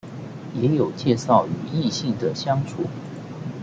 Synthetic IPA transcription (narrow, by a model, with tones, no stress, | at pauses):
jɛ˧˥jo˨˩ʊt͡ɕjɛ˥˧ʂɑ˥˩ʊy˨˧˩i˥˧ɕi˥˩ŋd̪ə˩ɕjɑ˥ŋt͡sʰṵ˨˩˦